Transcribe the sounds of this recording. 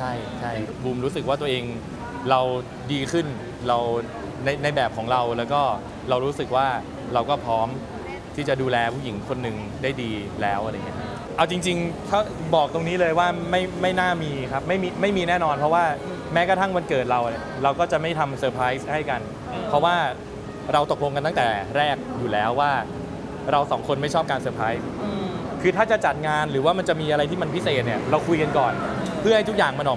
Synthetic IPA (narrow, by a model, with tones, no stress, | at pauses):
t͡ɕʰa˥˩jt͡ɕʰa˥˩jbuː˧mɾuː˦˥sɯ˨k̚waː˥˩t̪u˧ɐ˧ʔeː˧ŋ | ɾa˧w | diː˧kʰɯ˥˩n | ɾa˧w | na˧jna˧jbɛː˨˩p̚kʰɔː˩˦ŋɾa˧wlɛː˦˥wkɔː˥˩ | ɾa˧wɾuː˦˥sɯ˨˩k̚waː˥˩ | ɾa˧wkɔː˥˩pʰɾɔː˦˥m | t̪ʰiː˥˩t͡ɕa˨˩duː˧lɛː˧pʰuː˥˩k̚ji˩˦ŋkʰo˧nːɯ˨˩ŋ | daː˥˩jdiː˧lɛː˦˥wʔa˧ɾa˧jŋi˦˥˧kʰa˦˥ | ʔa˧˩wt͡ɕi˧ŋt͡ɕi˧ŋt̪ʰa˥˩ | bɔː˨˩k̚t̪o˧ŋniː˦˥lɤː˧jwaː˥˩ma˥˩jma˥˩jnaː˥˩miː˧kʰa˦˥p̚ma˥˩jmiː˧ma˥˩jmiː˧nɛː˥˩nɔː˧npʰɔ˦˥waː˥˩ | mɛː˦˥ka˧t̪ʰa˥˩ŋwa˧nkɤː˨˩t̪̚ɾa˧wni˨˩ɾa˧wkɔː˥˩t͡ɕa˨˩ma˥˩jt̪ʰa˧msɤː˧pʰɾaː˦˥jsha˥˩jka˧n | pʰɔ˦˥waː˥˩ | ɾa˧wt̪o˨˩k̚lo˧ŋka˧nt̪a˥˩t̪ɛː˨˩ɾɛː˥˩k̚juː˨˩lɛː˦˥wːaː˥˩ | ɾa˧wsɔː˩˦ŋkʰo˧nma˥˩jʰɔː˥˩p̚kaː˧nsɤː˧pʰɾaː˦˥js | kʰɯː˧t̪ʰaː˥˩t͡ɕa˨˩t͡ɕa˨˩t̪̚ŋaː˧nɾɯː˩˦waː˥˩ma˧nt͡ɕa˨˩miː˧ʔa˧ɾa˧jt̪ʰiː˥˩ma˧npʰi˦˥seː˨˩t̪̚ni˥˩ɐɾa˧wkʰu˧jka˧nkɔː˨˩n | pʰɯ˥˩ha˥˩jt̪u˦˥k̚jaː˨˩ŋma˧nʔɔː˨˩